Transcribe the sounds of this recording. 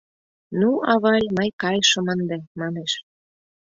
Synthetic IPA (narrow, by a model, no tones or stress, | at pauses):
nuɑβɑlʲmɤjkɑjʃə̆mənd̪emɑneʃ